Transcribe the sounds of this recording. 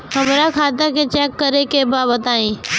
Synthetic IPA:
ɦəmɾakʰaːt̪aket͡ʃɛːkːəɾekebaːbət̪aːẽː

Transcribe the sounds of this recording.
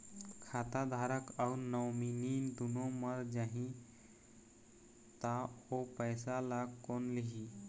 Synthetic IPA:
kʰat̪ad̪ʱaɾəkaunəwminid̪unõməɾd͡ʒaɦĩ | t̪aopəjsalakonliɦi

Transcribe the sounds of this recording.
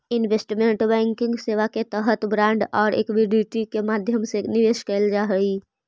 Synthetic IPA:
ɪnʋesʈmẽːɳʈbɛ̃ːŋkɪ̃ŋɡseːʋaket̪əɦət̪bɾãːɳɖɔːɾḛːkʋɪɖiʈikemaːd̪ʱjəmsenɪʋeːʃkəld͡ʒaɦəi

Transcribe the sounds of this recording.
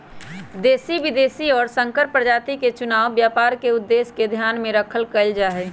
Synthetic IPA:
d̪eːsiʋɪd̪eːsiɔːɾsə̃ŋkəɾpɾəd͡ʒaːt̪iket͡ʃʊnaːʋbjaːpaːɾkeʊd̪ːeːsked̪ʱjaːnmẽɾəkʰəlkəld͡ʒaːɦɛ

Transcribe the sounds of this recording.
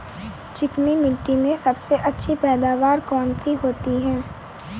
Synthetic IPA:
t͡ʃɪknimɪʈːimẽsɐbseʔɐtːʃʰipɛːd̪aːʋaːɾkɔːnsiɦoːt̪iɦɛ̃ː

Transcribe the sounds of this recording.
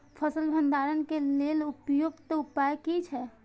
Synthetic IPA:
pʰəsəlbʱənd̪aɾənkelelupjoɡt̪ɔupajkit͡ʃʰɛ

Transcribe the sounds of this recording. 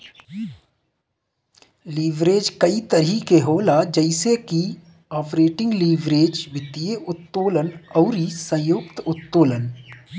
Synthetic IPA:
liːʋɾeːd͡ʒkəit̪əɾikeɦoːlad͡ʒəɪseki | ɔːpɾeːʈɪ̃ŋɡliːʋɾeːd͡ʒʋɪt̪ijeʊt̪ːoːlənɔːɾisə̃jʊːkt̪ʊt̪ːoːlən

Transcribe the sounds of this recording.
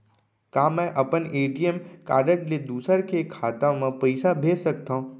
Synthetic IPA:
kaːmɛ̃ʔɐpəneːʈijəmkaːɾɖəʈled̪uːsəɾkekʰaːt̪ãmẽpɐɪsabʱeːsək̚t̪aɦũː

